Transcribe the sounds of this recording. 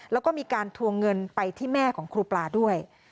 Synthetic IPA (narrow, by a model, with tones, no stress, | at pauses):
lɛː˦˥wkɔː˥˩miː˧kaː˧nt̪ʰu˧əŋŋːɤ˧npa˧jt̪ʰiː˥˩mɛː˥˩kʰɔː˩˦ŋkʰɾuː˧plaː˧˩du˥˩əj